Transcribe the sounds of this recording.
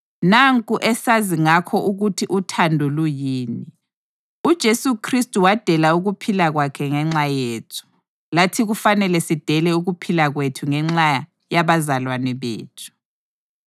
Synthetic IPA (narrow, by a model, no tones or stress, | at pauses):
naŋkʼuʔɛsaziŋakʰɔʔuɣutʰiʔutʰandʱulujiːni | ud̥ʒ̥ʱesukʰristʼuwad̥ʱɛlauɣupʰilaɣwakʰɛŋɛŋ͡ǁajeːtʰu̥ | latʰiɣufanɛlɛsid̥ʱɛlɛuɣupʰilaɣwetʰuŋɛŋ͡ǁaja | jaβazalwanɛβḛːtʰu̥